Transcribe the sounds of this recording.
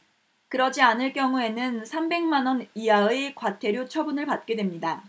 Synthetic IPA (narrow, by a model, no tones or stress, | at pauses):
kɯɾʌd͡ʑianɯɭk͈jʌŋue̞nɯnsʰambe̞ŋmanʌniaɯekwatʰe̞ɾjot͡ɕʰʌbunɯɭpat̚k͈e̞dwemɲida